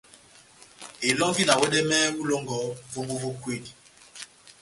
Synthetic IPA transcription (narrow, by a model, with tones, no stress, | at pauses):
e˨lɔ˦ŋɡi˦la˨wɛ˦dɛ˦mɛ˦mu˦lɔ˦ŋɡɔ˨˦vo˦mbo˦vo˦kwe˦˨di˨